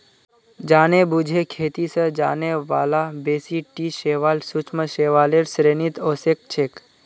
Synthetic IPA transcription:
d͡ʒaːnebud͡ʒʱekʰet̪isəd͡ʒa̰ːneʋa̰ːlabeːsiʈiʃeʋaːlsut͡ʃʰməʃeːʋaːleɾsɾeːnit̪osek̚t͡ʃʰeːk

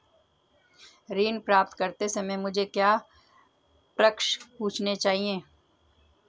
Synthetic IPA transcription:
ɾiːnpɾaːp̚t̪kɐɾt̪esemɛ̃mʊd͡ʒʱekjaː | pɾəkʃpũːt͡ʃʰnet͡ʃaːɦiẽː

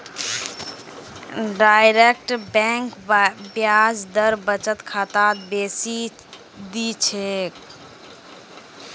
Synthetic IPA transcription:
ɖajɾek̚ʈbɛ̃ŋkbjad͡ʒd̪əɾbət͡ʃət̪kʰat̪at̪̚besi | d̪it͡ʃʰek

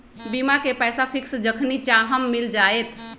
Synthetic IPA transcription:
bimakepɛjsapʰiksd͡ʒəkʰnit͡ʃaɦəmːild͡ʒaet̪ʰ

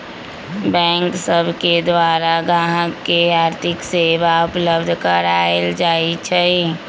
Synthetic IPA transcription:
bɛ̃ŋksəbʱked̪ʋaɾaɡãɦəkːeaɾt̪ʰɪksebaupləbd̪ʱkəɾaeld͡ʒait͡ʃʰɛ

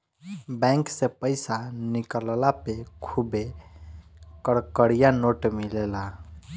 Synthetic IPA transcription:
bɛ̃ŋksepəɪsanikəllapekʰube | kəɾkəɽijanoʈmilela

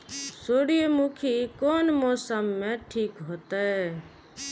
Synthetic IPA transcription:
soːɽijemukʰikoːnmɔːsəmːẽʈʰiːkɦot̪e

